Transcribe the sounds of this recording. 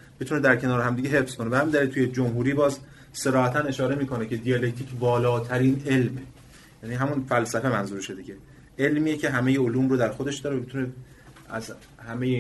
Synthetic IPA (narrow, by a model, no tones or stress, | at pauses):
b̥et̪une̞d̪æɾcʰe̞nɒːɾeɦæmd̪iːɟeɦe̞fz̥kʰo̞nebehæmind̪ælilt̪ʰuːje̞d͡ʒomɦuːɾiːbɒːz | se̞ɾɒːhæt̪ʰæne̞ʃɒːɾe̞miːkʰo̞necʰe̞d̪ijɒlec̚t̪ʰiːcbɒːlɒːt̪ʰæɾiːne̞lme | jæniɦæmunfælsæfe̞mænzuːɾʃe̞d̪icʰe̞ | e̞lmiːjecʰe̞ɦæme̞jeoluːmrod̪æɾxo̞d̪e̞ʃd̪ɒːɾevæbet̪ʰune | æz | hæmeje